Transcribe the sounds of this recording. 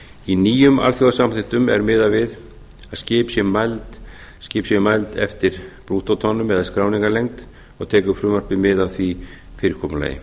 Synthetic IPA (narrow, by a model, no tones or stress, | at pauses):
iniːjʏmʔa̰lθjɔwðasamθɪht̪ʏmɛ̰ɾmɪːðavɪð | ascɪːpsɛmajlt̪ | scɪːpsjɛmajlt̪ɛ̰ft̪ɪɾ̥pɾuːt̪ɔt̪ʰɔnːʏmɛðaskɾaːwniŋkalejŋt̪ | ɔɣt̪ʰɛːkʏfɾʏːmar̥pɪmɪːðaðθvifɪːɾɪɾ̥kʰɔːmʏla̰ːjɪ̰